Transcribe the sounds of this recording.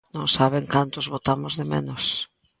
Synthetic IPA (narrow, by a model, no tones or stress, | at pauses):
nõŋsaβ̞eŋkant̪ʊzβot̪amozðemḛ̃nos